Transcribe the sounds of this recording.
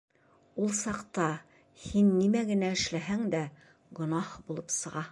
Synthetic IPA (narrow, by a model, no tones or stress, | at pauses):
ulˠsɑqt̪ɑ | hinːimæɡɘ̆næɘ̆ʃlæɦæŋd̪æ | ɡŏnɑhbulˠɤpsɤ̆ʁɑ